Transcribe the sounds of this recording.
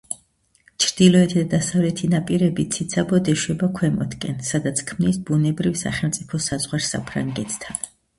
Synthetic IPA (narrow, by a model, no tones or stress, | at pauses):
t͡ʃʰɾd̪̥ilɔɛt̪ʰid̪ad̪asavlɛt̪ʰinapʼiɾɛbit̪sʰit̪sʰabɔd̪ɛʃwɛbakʰwɛmɔ̰t̪kʼɛnsad̪at̪sʰkʰmnisbunɛbɾifsa̰χɛlˠmt̪sʼipʰɔsazʁwaɾsa̰pʰɾa̰ŋɡɛt̪ʰt̪ʰan